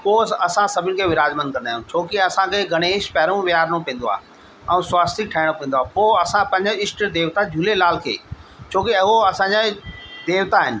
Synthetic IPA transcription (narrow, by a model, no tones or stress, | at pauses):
poːsɐsãsɐbʱɪnɪ̆kʰeːʋɪɾaːd͡ʑmə̃n̚kɐnd̪aːjũt͡ɕʰoːkiɐsãkʰeːɡʱɐɽ̃eːʃpɛːɾũʋɪaːɾnũpĩːnd̪oa̰ː | ɛ̃ũswaːst̪ɪk̚ʈʰaːɪɽ̃õpẽːn̆d̪oaːpoːɐsãpɐ̃ɲd͡ʑɪsʈd̪eːʋt̪ad͡ʑuːlelaːlkʰḛːt͡ɕʰoːkiɐɦoɐsãd͡ʑad̪eːʋt̪aɦɪnɪ̆